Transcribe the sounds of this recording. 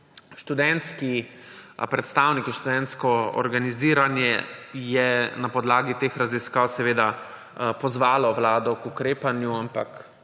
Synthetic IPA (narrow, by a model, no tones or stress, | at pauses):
ʃt̪ud̪ɛnt̪ski | pɾɛt̪st̪aːwnikiʃt̪ud̪ɛnt̪skɔɔ̰ɾɡaniziːɾanjɛjɛnapɔd̪laːɡit̪eːxɾaziskaːwsɛʋeːd̪a | pɔzʋaːlɔʋlaːd̪ɔkukɾeːpanjuampak